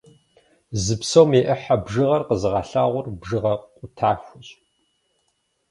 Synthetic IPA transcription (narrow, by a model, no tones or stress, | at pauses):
zɨpsowmeʔɐħabʒɨʁɐrqəzɨʁɐɬaːʁʷʊrbʒɨʁɐqqʷʼʊtʰaːxʷʊɕʼ